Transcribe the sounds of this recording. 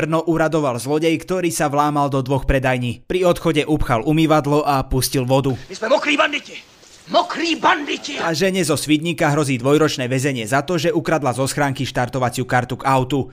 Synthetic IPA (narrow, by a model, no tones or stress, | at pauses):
r̩nɔʔuɾad̪ɔʋalzlɔɟɛjkt̪ɔɾiːsaʋlaːmald̪ɔd̪ʋɔxpɾɛd̪ajɲiːpɾiɔt̪xɔɟɛʔupxalumiʋad̪lɔʔapuscilʋɔd̪umizmɛmɔkɾiːband̪icɛ | mɔkɾiːband̪icɛaʒɛɲɛzɔsʋid̪ɲikaɦɾɔziːd̪ʋɔjɾɔt͡ʃnɛːʋɛzɛɲɪɛzat̪ɔʒɛukɾad̪lazɔsxɾaːŋkiʃt̪aɾt̪ɔʋat͡sɪukaɾt̪uɡaʊt̪u